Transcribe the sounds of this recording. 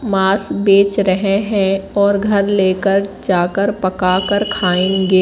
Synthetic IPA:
maːsbeːt͡ʃɾəɦẽɦɛ̃ɔːɾɡʱɐɾleːkəɾd͡ʒaːkəɾpɐkaːkəɾkʰaːẽɡeː

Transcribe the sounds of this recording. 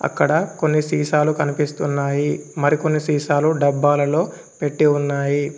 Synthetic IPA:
ɐ̰kːɐɽɐko̞nːisiːʃaːlukɐnipist̪unːaːjimɐɾiko̞nːisiːʃaːluɖɐbːaːlɐlo̞ː | pe̞ʈːiunːaːji

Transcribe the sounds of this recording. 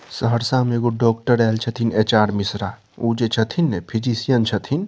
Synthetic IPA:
səɦəɾsãmeɡoɖɔk̚ʈəɾɛlt͡ʃʰət̪ʰinet͡ʃaːɾmisɾa | ud͡ʒet͡ʃʰət̪ʰinepʰid͡ʒisijənt͡ʃʰət̪ʰin

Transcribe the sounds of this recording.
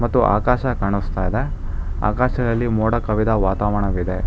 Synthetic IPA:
mɐt̪ːuʔa̰ːkaːʃɐkaːɳust̪aːjid̪e̞ | a̰ːkaːʃɐd̪ɐlːimoːɽɐkɐʋid̪ɐʋaːt̪aːʋɐɳɐʋid̪e

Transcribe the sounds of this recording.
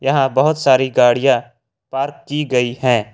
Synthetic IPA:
jɐɦãbɐɦʊt̪saːɾiɡaːɽijã | paːɾkːiɡɐihɛ̃ː

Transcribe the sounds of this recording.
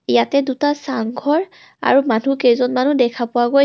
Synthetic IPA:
ijatɛdutasaŋɡʱɔɹ | a̰ɹumanʱukejzɔnmanudɛkʰapʊwaɡoj

